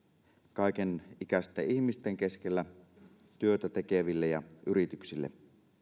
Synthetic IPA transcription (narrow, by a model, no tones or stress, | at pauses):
kɑikenik̟æst̪æiçmist̪eŋke̞skelːæ | t̪yøt̪æt̪e̞keʋilːejɑ̰yɾit̪yksilːḛ